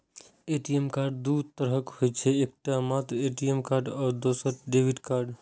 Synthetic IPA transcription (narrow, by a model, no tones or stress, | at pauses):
eːʈijemkaːɾɖd̪ud̪̚t̪əɾəkhoet͡ʃʰeeːk̚ʈamaːt̪ɾeːʈijemkaːɾɖɔːɾd̪oːsəɾɖeːʋɪɖkaːɾɖ